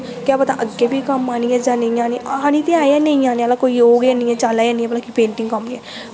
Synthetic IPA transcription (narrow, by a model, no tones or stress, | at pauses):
kjaːpət̪a̰ːʔəɡeːbʱikəmaːniːɛd͡ʒaːnəĩaːniːãːniːt̪ẽaːjãːnəĩãːniːəlaːkoːijoːɡanĩːɛːt͡ʃaːlaːjãːnĩɛːpəlaːkipẽːɳʈɪ̃ŋɡkəmɛ